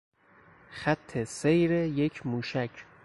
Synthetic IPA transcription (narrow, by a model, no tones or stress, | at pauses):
xæt̪ʰːesejɾejekʰmuːʃækʰ